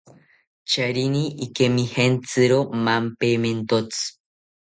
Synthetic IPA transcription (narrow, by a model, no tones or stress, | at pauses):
t͡ʃaɾiniːkemihent͡sɨɾomampement̪ot͡sɨ̥